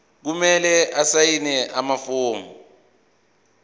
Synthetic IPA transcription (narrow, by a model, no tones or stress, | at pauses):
k̬umɛlɛʔasajinɛʔamafoːmu